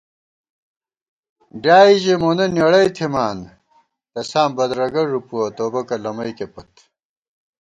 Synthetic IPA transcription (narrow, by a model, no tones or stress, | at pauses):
ɖjaːiʑemonɐnjɐɽɐjt̪ʰimaːn | t̪ɐsaːmbɐd̪ɾɐɡɐɾupuɐt̪oːbɐkɐlɐmɐjkepɐt̪